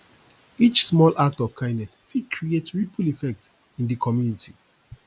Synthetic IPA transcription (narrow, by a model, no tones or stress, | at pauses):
it͡ʃsmɔlʔak̚tɔv̥kʰãɪ̃nnɛsfid̚kʰɹietɹipʰulifɛk̚t | ĩndəkʰɔmjunitʰi